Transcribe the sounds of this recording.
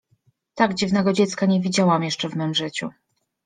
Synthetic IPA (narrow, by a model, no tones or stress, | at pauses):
t̪aɡd͡ʑivnɛɡɔd͡ʑɛt̪skaɲevʲid͡ʑawamjɛʂt͡ʂɛvmɛmʐɘt͡ɕu